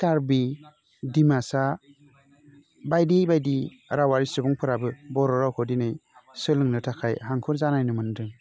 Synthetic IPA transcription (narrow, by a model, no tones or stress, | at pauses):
taɾbi | dimasa | bajdibajdi | ɾawaɾisɯbɔŋpʰɯɾabɯbɔɾɔɾawkʰɔdinɯjsɯlɯŋnɯtʰakʰajhaŋkʰɯɾzanajnɯmɯndɯŋ